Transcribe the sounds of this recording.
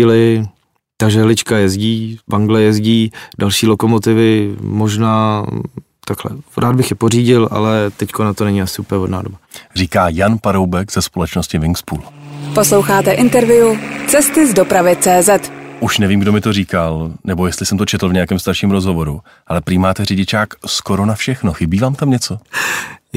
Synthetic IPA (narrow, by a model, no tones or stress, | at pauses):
ilɪ | t̪aʒɛɦlɪt͡ʃkajɛzɟiːbaŋɡlɛjɛzɟiːdalʃiːlo̞ko̞mo̞t̪ɪvɪmo̞ʒnaː | t̪aklɛ̰ɾʔaːd̪bɪxjɛpo̞riːɟɪlʔa̰lɛt̪ɛckonat̪o̞nɛɲiasɪʔuːpəɲɛvodna̰ːdobariːkaːjanpaɾowbɛkz̥ɛspo̞lɛt͡ʃnoscɪvɪŋkspṵːlposlo̞wxaːt̪ɛʔɪnt̪ɛɾvɪut͡sɛst̪ɪzdopɾavɪt͡sɛːzɛt̪ʔuʃnɛviːmɡdomɪt̪o̞riːkalnɛbo̞jɛst̪lɪsɛmt̪ot͡ʃɛt̪l̩vɲɛjakɛːmst̪aɾʃiːmɾozɦo̞vo̞ɾu | ʔalɛpɾɪmaːt̪ɛrɪɟɪt͡ʃaːksko̞ɾonafʃɛxnoxɪbiːvaːmt̪amɲɛt͡so̞